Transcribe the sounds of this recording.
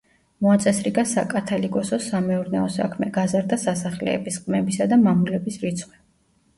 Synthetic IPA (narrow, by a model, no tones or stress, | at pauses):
mɔat̪sʼɛsɾiɡasa̰kʼat̪ʰalikʼɔsɔsamɛuɾnɛɔsa̰kʰmɛɡazaɾd̪asasaχlɛ̰ːbisqʼmɛbisad̪amamulɛbisɾit̪sʰχwɛ